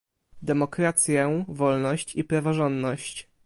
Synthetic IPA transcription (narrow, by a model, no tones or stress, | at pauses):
d̪ɛmɔkɾat̪sʲjɛvɔlnɔɕt͡ɕipɾavɔʐɔnd̪nɔɕt͡ɕ